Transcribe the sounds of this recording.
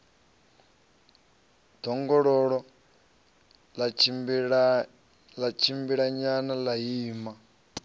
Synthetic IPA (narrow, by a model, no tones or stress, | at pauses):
d̪̥ɔŋɡɔɺɔɺɔ | l | lat͡ʃʰimbiɺaɲanalajiːma